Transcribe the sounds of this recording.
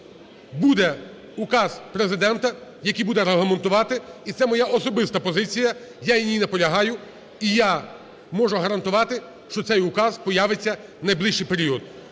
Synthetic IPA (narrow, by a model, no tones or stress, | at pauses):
bud̪ɛ | ʊkɑzpɾezɪd̪ɛnt̪ɐjɐkʲijbud̪ɛɾeɦlˠɐme̞nt̪ʊʋɑt̪ɪit̪sɛmɔjaʔɔsɔbɪst̪ɐpɔzɪt͡sʲijɐ | jajinʲijnɐpɔlʲɐɦɑjʊ | ija | mɔʒʊɦɐɾɐnt̪ʊʋɑt̪ɪ | ʃt͡ʃɔt̪sɛjʊkɑzpɔjaʋet͡sʲːɐnɐjblˠiʃt͡ʃɪjpeɾʲiɔd̪